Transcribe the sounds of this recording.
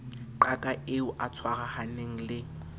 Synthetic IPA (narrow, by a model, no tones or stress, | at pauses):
ǃakʼaʔeʊʔat͡sʰwaɣahaneŋ̩lɪ